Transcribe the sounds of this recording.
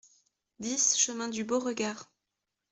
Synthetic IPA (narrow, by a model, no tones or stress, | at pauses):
d̪isʃəmɛ̃d̪yboʁəɡaːʁ